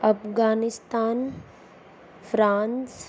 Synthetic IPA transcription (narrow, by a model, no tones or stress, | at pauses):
ɐpɡaːnɪst̪aːn | fʰɾaːns